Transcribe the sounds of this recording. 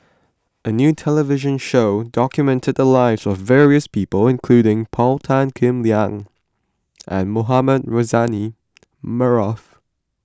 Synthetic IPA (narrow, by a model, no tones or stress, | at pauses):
ʔənjʉːtʰɛləvɪʒə̃nʃoʊdɔkjɨmɛ̃ntʰɨd̪̚ðəlaɪvzɔvːɛɹiəspʰipəlˠɪ̃nkʰl̥ʉɾɪ̃ŋpʰɔlˠtʰãnkʰɪ̃mliãŋ | ʔə̃nmoɦaməd̚ɹozani | məɹɔf